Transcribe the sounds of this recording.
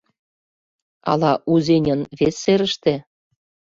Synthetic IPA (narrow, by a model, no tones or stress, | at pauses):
ɑ̰lɑʔuzʲenʲɤ̆nβesːeɾə̆ʃt̪ĕ